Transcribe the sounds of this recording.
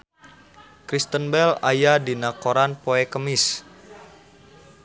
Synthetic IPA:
kɾist̪ənbɛlajadinakoɾanpoɛkəmiɪs

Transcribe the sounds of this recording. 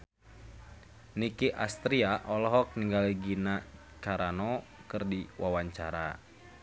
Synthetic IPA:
nikiʔast̪ɾiaʔɔlɔɦɔk̚niŋɡaliɡina | kaɾanɔ | kɨrdiwawaɲt͡ʃaɾa

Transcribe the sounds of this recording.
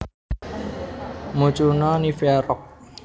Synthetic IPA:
mut͡ʃunɔnifɛɾɔk̚

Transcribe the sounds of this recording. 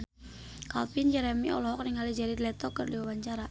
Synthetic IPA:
ka̰lpind͡ʒɛɾɛmiʔɔ̰lɔɦɔk̚niŋalid͡ʒaɾidlɛt̪ɔkərdiwawaɲt͡ʃaɾa

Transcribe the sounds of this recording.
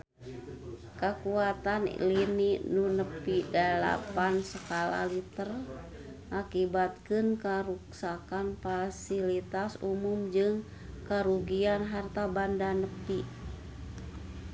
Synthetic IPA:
kəkuat̪anlininunəpidala̰pansəkala̰lit̪ər | ʔakibat̪̚kɨnkəɾuksakanfasilit̪asumumd͡ʒɨŋ | kəɾuɡianɦart̪abandanəpi

